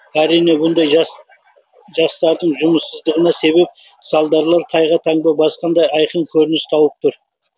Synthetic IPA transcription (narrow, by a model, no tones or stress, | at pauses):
æɾijne̞bʊnd̪ɑj | ʒɑst̪ɑɾd̪əɴʒʊməsːəzd̪əʁənɑse̞βe̞p̚ | sɑlˠd̪ɑɾlˠɑɾt̪ʰɑjʁɑt̪ʰɑɴbɑbɑsqɑnd̪ɑjɑjqənkʲʰɵɾɪnɪst̪ʰɑwəp̚t̪ʰʊɾ